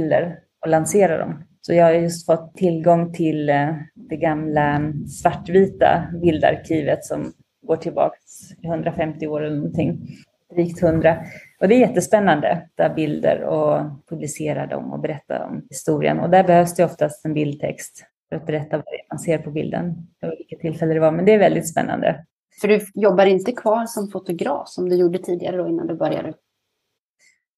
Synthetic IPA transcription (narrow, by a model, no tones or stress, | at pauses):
ld̪ə̰ɾ | ɔlanseːɾad̪ɔ̰m | sɔjɑːhaɾjɵst̪fɔt̪ʰːɪlɡɔŋːt̪ʰɪld̪̥ɛɡamlasvaʈːviːt̪a̰bɪld̪a̰ɾkʰiːvət̪sɔm | ɡoːʈʰɪlbɑ̰ːksɪhɵnd̪ɾafɛmt̪ɪoːɾɛlːəɳɔnt̪ʰɪŋː | ɾiːkt̪hɵnd̪ɾaɔd̪ɛæɾjɛt̪ːəspɛnːand̪ə̰d̪̥æbɪld̪ə̰ɾɔpʰɵblɪseːɾad̪ɔ̰mɔ̰bɛɾɛt̪ːa̰ɔ̰mhɪst̪uːɾɪ̰ə̰nɔd̪æɾbɛhøːvsd̪ɛɔft̪ast̪ɛnbɪld̪̚t̪ʰɛ̰kst̪ | fœɾat̪̚bɛɾɛt̪ːavaɾɛ̰manseːɾpʰɔbɪ̰ld̪ə̰nɪvɪlkːat̪ʰɪlfɛlːəd̪ɛvaɾmɛnd̪ɛæɾvɛld̪ɪt̪spɛ̰nːa̰nd̪ə̰ | fœɖɵjɔbːaɾɪnt̪əkʰvɑːɾsɔmfʊt̪ʊɡɾɑ̰ːfsɔmd̪ɵjuːɖət̪ʰiːd̪ɪɡaɾəd̪ɔɪnːa̰nd̪ɵbœɾja̰d̪ə